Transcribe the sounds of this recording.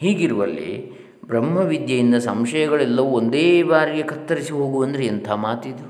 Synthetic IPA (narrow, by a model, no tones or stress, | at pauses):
hiːɡiɾuʋɐ̰lːḛ | bɾɐmːɐʋid̪jɐjind̪ɐsɐmʃɐjɐɡɐɭɛlːɐʋuond̪eːbaːɾiɡe̞kʰɐt̪ːɐɾisiɦo̞ːɡuɐnd̪ɐɾeːnt̪ʰaːmaːt̪id̪u